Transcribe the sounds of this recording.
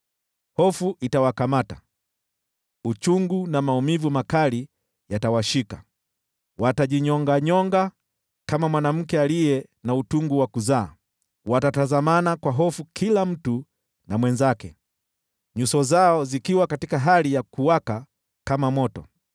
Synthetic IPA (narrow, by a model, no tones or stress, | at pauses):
hɔfuʔitawakamata | ut͡ʃuŋɡunamaumivumakali | jatawaʃika | wataʄiɲɔŋɡaɲɔŋɡa | kamamwanam̩kɛalijɛ | nautuŋɡuwakuzaː | watatazamanakwaɦɔfukʰilam̩tu | namwɛnzakɛ | ɲusɔzaɔzikiwakatikaɦalijakuwaka | kamamɔtɔ